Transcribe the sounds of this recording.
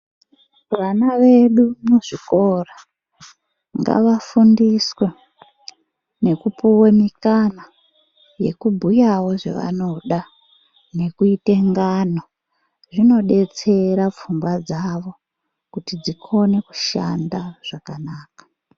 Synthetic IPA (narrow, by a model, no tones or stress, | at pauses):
ʋanaʋe̞ɗumuʐikora | ŋɡa̰ʋafundiswe | ne̞kupuwemikana | je̞̰kubʱujawo̞ʐḛʋa̰no̞ɗa | ne̞kuite̞ŋɡano | ʐino̞ɗe̞t͡se̞ɾap͡fuŋɡwad͡zaʋo̞ | kutid͡zikʰo̞ne̞ku̥ʃandaʐ̥akanaːkḁ